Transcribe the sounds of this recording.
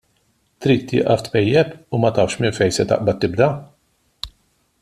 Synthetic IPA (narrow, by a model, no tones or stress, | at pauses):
t̪ɾiːt̪ːɪ̰ʔɐft̪pɛjːɛpʊmɐt̪ɐfʃmɪnfɛjsɛt̪ɐ̰ʔbɐt̪ːɪbd̪ɐ